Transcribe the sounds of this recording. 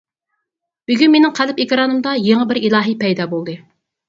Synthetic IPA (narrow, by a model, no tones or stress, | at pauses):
b̥yɡʲynmenɪŋqʰælɪpekʲɾɑːnɨmd̪ɑjeŋəbɪɾilˠɑːɦipɛjd̪ɑːbolˠd̪ɨ